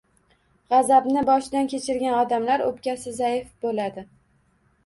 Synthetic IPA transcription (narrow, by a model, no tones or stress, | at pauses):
ʁɑzabnɪbɒʃɪd̪ankʲʰet͡ʃʰɪɾɡʲanɒd̪amlaɾo̰pkʲasɪzajɪfbolad̪ɪ